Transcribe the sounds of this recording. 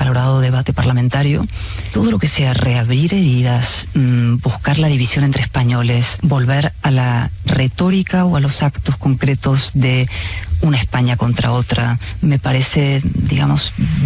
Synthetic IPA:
alo̞ɾaðoðe̞βat̪e̞paɾlamẽnt̪aɾjo̰ | t̪o̞ð̞o̞lo̞ke̞se̞are̞aβɾiɾe̞ðiðasbuskaɾlaðiβ̞isjo̞nent̪ɾespaɲo̞le̞sbo̞lβe̞ɾalare̞t̪o̞ɾikaoalo̞sakt̪o̞sko̞ŋkɾe̞t̪o̞zðe̞unaespaɲako̞nt̪ɾa̰o̞t̪ɾa̰me̞paɾe̞se̞d̪ḭɣamo̞s

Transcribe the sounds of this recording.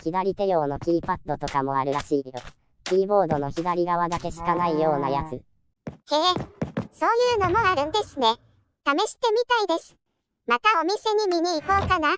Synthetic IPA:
kʲid̪aɾʲit̪e̞jo̞ːno̞kʲiipat̪ːo̞t̪o̞kamo̞aɾɯ̟ɾaɕiːjo | kʲiːbo̞ːd̪o̞no̞çiɡ̪aɾʲiɡaβad̪ake̞ɕi̥kanaijo̞ːnajat͡sɨ | eːso̞ːjɯ̟ːno̞mo̞aɾɯ̟̃nd̪e̞sɨne̞ | t̪ame̞ɕi̥t̪e̞mʲit̪aid̪e̞sɨ̥ | mat̪ao̞mʲise̞ɲ̟imʲiɲ̟iːko̞ːkana

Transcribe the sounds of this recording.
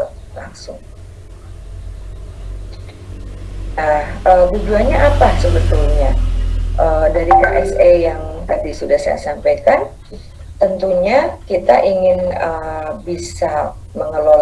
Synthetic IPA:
laŋsʊŋ | nahhəːbud͡ʒuaɲaʔapasəbət̪ʊlɲaʔədaɾika̰ʔɛsejaŋt̪adisudahsa̰ja̰ʔsampajkan | t̪ənt̪uɲakit̪aʔiŋɪnəbisa | məŋəlo

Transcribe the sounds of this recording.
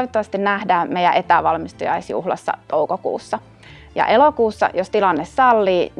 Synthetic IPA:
ʋet̪ːoʋɑst̪innæhdæːmejæ̰ʔet̪æʋɑlmist̪ujɑ̰isjṵhlɑ̰sːɑ̰t̪oukokṵːsːɑ | jɑ̰ʔelokuːsːɑ̰jost̪ilɑnːessɑlːiːn

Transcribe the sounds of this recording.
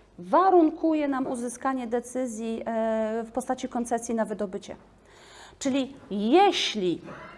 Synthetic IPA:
vaɾuŋkʰujɛnamuzɘskaɲɛd̪ɛt̪sɘzʲji | fpɔst̪at͡ɕikɔnt̪sɛsʲjinavɘd̪ɔbɘt͡ɕɛ̰ | t͡ʂɘlʲijɛɕlʲi

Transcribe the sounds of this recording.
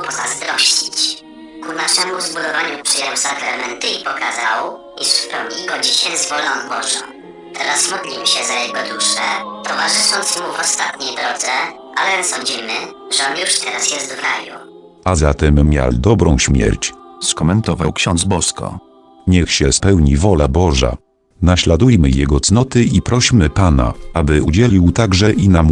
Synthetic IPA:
pɔzazd̪ɾɔɕt͡ɕit͡ɕ | kunaʂɛmuzbud̪ɔvaɲupʂɘjawsakɾamɛnt̪ɘipɔkazaw | iʂspɾɔwɲʲiɡɔd͡ʑiɕɛzvɔlɔnbɔʐɔ̰̃ | t̪ʰɛɾasmɔd̪lʲimɕɛzajɛɡɔd̪uʂɛt̪ɔvaʐɘʂɔnt̪smuvɔst̪at̪ɲejd̪ɾɔd̪zɛ | ʔa̰lɛsɔɲd͡ʑimɘʐɛɔnjuʂt̪ʰɛɾasjɛst̪vɾaju | azat̪ɛmːʲja̰ld̪ɔbɾɔ̃w̃ɕmʲjɛ̰ɾt͡ɕskɔmɛnt̪ɔvawkɕɔnd̪zbɔskɔ̰ | ɲɛxɕɛspɛwɲivɔlabɔʐa̰ | naɕlad̪ujmɘjɛɡɔt̪snɔt̪ɘipɾɔɕmɘpana̰abɘud͡ʑɛlʲiwt̪aɡʐɛʔinam

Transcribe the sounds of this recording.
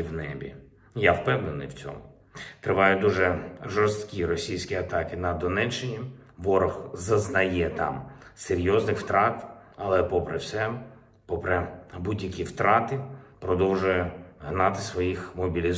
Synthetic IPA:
wnɛbʲḭ | jawpɛwnenɪ̰jwt͡sʲɔ̰mʊ | t̪ɾɪʋɑjʊd̪uʒɛʒɔrst̪kʲiɾɔsʲijsʲkʲiɐt̪ɑkɪnɐd̪ɔnɛt͡ʃːɪnʲi | ʋɔɾɔxzɐznɐjɛt̪ɑ̰mseɾʲjɔznɪxwt̪ɾɑt̪ | ɐlˠɛpɔpɾɛwsɛ | pɔpɾɛbudʲjɐkʲiwt̪ɾɑt̪ɪpɾɔd̪ɔwʒʊjɛɦnɑt̪ɪsʋɔjixmɔbʲilʲiz

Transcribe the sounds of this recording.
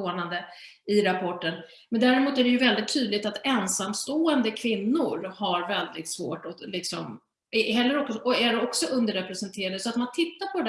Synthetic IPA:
oːnand̪ə | ɪɾapʰɔʈːən | mɛnd̪æːɾɪmuːt̪æɖɛjɵvɛld̪ɪt̪ʰːyːd̪lɪk̚t̪at̪ɛnsamst̪oːɛnd̪əkʰvɪnːʊɾhaɾvɛld̪ɪt̪svo̰ːʈɔlɪksɔm | ɛɦɛlːəɾɔksɔʔɔæɖɛɔksɔʔɵnd̪əɾɛpɾɛsɛnt̪ʰeːɾad̪əsɔat̪mant̪ʰɪt̪ːaɾpʰɔ

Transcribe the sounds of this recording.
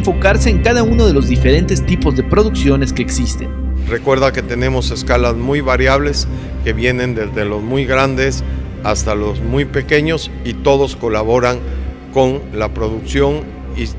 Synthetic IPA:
ɱfo̞kaɾse̞ːŋkaðauno̞ðe̞lo̞zðife̞ɾe̞nt̪e̞st̪ipo̞zðe̞pɾo̞ðuksjo̞ne̞ske̞ːksist̪e̞̰n | re̞kwe̞ɾðake̞t̪e̞ne̞mo̞se̞skalazmujβaɾjaβle̞s | ke̞βje̞nẽ̞nd̪e̞zðe̞lo̞zmujɣɾand̪e̞s | ast̪alo̞zmujpe̞ke̞ɲo̞s | it̪o̞ðo̞sko̞laβo̞ɾaŋ | ko̞nlapɾo̞ðuksjo̞n | i

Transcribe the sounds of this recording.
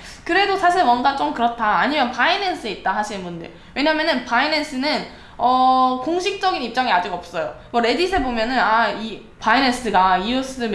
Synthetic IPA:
kɯɾe̞dosʰaɕʰiɭwʌnɡat͡ɕ͈omkɯɾʌtʰːaːɲimjʌnpainens͈ʰɯit̚t͈aɦaɕʰinnbundḛ | we̞ɲaːmjʌnɯnpainens͈ʰɯnɯn | ʌkoŋɕʰik̚t͡ɕ͈ʌɡinip̚t͡ɕ͈ʌŋiad͡ʑiɡʌp̚s͈ʌjo | mʌɾe̞disʰebomjʌnɯnai | paines͈ɯɡaius͈ɯ

